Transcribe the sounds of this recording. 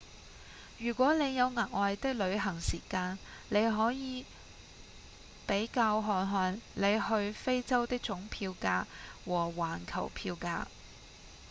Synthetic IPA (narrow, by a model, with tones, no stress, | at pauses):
jyː˨˩kʷɔː˨˥ne˨˧jjɐ˨˧wŋaː˨˩k̚ʔɔː˨jt̪ɪ˥k̚lɵ˨˧ɥɦɐ˨˩ŋsiː˨˩kaː˧nle˨˧jɦɔː˨˥jiː˨˧ | pe˨˥jkaː˧wɦɔː˧nɦɔː˧nle˨˧jhɵ˧ɥfe˥jt͡sɐ˥wt̪ɪ˥k̚t͡ʃʊ˨˥ŋpʰiː˧wkaː˧kwɔː˨˩waː˨˩nkʰɐ˨˩wpʰiː˧wka̰ː˧k̚